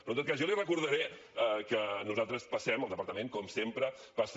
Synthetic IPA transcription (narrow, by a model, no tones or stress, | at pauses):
pɾɔt̪ot̪̚kazʒɔlirəkuɾðəɾɛ | əkənuzalˠt̪ɾəspəsɛməlˠd̪əpəɾt̪əmẽŋkɔmsempɾə | pas